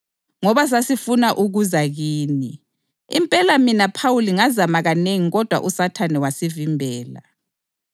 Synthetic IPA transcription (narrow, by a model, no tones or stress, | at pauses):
ŋɔβas̬asifunaʔuɣuzaɣiːni | ḭmpʼɛlaminapʰawuliŋazamaɣaneŋiɣɔd̥ʱwa̰ʔusatʰanɛwasivimbʱɛːla̰